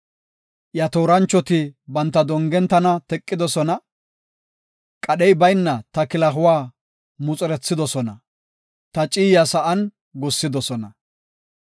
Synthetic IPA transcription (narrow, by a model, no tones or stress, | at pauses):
ʔjɐt̪oːɾɐnt͡ʃːɔt̪ɪbɐnt̪ːɐd̪ɔŋɡɛnt̪ːɐnɐt̪ɛkʼːɪd̪ɔsɔnɐ | kʼɐɗɛjbɐjnːɐt̪ɐkɪlɐɦʊwaː | mʊt͡sʼʊɾɛt͡sːɪd̪ɔsɔnɐ | t̪ɐt͡ʃʼiːjɐsɐʔɐn | ɡʊsːɪd̪ɔsɔnɐ